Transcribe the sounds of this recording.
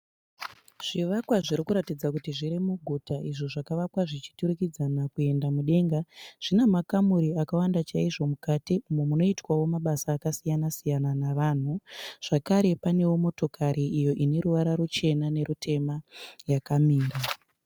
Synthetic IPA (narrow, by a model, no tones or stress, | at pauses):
ʐ̥iʋakwaʐiɾikuɾatid͡zakutiʐiɾimuɡʱutaʔiʐoʐakaʋakwaʐit͡ʃi̥tuɾikid͡zanakue̞ndamuɗe̞ŋɡaʐ̥inemakamuɾiakawandat͡ʃaiʐo̞mukatiumwemuno̞itwawo̞maɓasaːkasijanasijananaʋaːn̤uʐ̥akaɾe̞pane̞womo̞to̞kaɾiʔːjo̞ʔine̞ɾuʋaɾaɾut͡ʃe̞nane̞ɾutʰe̞majakamiːnda